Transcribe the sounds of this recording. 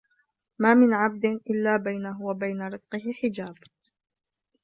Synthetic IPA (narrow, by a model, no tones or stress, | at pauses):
maːmɪnʕab̚d̪ɪnʔɪlːaːbajnaɦʊwabajnaɾɪzqɨɦɪħɪd͡ʒaːb